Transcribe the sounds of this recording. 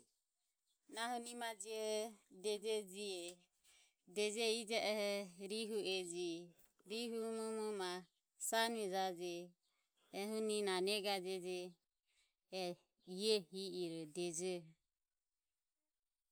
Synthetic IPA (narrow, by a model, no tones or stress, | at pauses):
naɦunimad͡ʒiɛdɛd͡ʒɛd͡ʒiɛ | dɛd͡ʒɛid͡ʒaʔɛhɛɾiɦuɛd͡ʒi | ɾiɦumumuma | sanɛd͡ʒad͡ʒɛː | ɦuninanɛɡad͡ʒɛd͡ʒɛ | iɛhiʔiɾɔd̪ɛd͡ʒɛ